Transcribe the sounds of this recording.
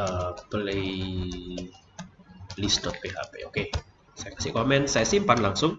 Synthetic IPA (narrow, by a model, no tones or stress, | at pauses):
əpəlej | lisdɔt̪̚peɦa̰pḛʔoke | sajakḁsɪhkomɛnsajasimpanlaŋsʊŋ